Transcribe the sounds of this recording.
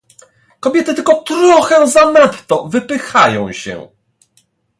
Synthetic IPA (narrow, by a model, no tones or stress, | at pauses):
kɔbʲjɛt̪ɘt̪ɘlkɔt̪ɾɔxɛzanat̪ːɔvɘpɘxajɔ̃w̃ɕɛ̰